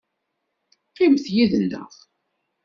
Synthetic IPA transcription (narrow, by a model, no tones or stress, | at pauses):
qɪmθjiðənːə̰ʁ